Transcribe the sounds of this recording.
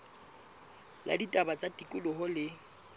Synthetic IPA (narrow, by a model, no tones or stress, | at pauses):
lʔa̰ditʼabat͡sʼatʼikʼʊlʊɦɔlɪ